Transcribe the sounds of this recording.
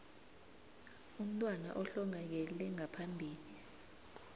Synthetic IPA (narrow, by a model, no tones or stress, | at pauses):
um̩tʼwana̰ʔɔɬɔŋak̬ɛlɛŋapʰambʱiːli